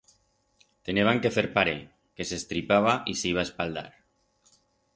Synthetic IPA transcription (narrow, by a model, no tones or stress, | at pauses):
t̪eneβ̞aŋkefeɾpaɾe | kesest̪ɾipaβ̞aʔisiβ̞aespald̪a̰ɾ